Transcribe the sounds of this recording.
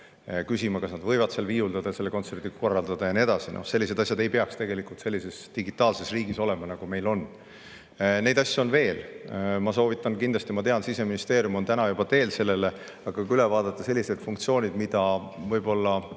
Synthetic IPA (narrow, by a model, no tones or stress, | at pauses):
kysimɑkɑsnɑd̪vɤjvɑd̪selviːuld̪ɑd̪̥ɑjse̞lːeko̞nt̪se̞rd̪̥iɡɑko̞rːɑld̪ɑd̪̥ɑjɑnie̞d̪ɑsinʔo̰se̞lːis̬e̞d̪ɑs̬ʲjɑd̪e̞jpe̞ɑkst̪e̞ɡe̞likult̪se̞lʲːise̞sd̪̥iɡit̪ːˑɑːlse̞sriːɡiso̞le̞mɑnɑɡ̥ume̞jlo̞n | ne̞jd̪ɑsʲːuonve̞ːlmɑs̬o̞ːvit̪ːˑɑnkind̪lɑst̪imɑt̪e̞ɑnsise̞minist̪e̞ːɾjumo̞nt̪ænɑjub̥ɑt̪e̞ːlse̞lːe̞le | ɑɡ̥ɑkylevɑːd̪̥ɑt̪ːˑɑse̞lʲːise̞d̪fuŋk̚t̪sio̞ːnʲid̪mid̪̥ɑ | vɤjb̥o̞lːɑ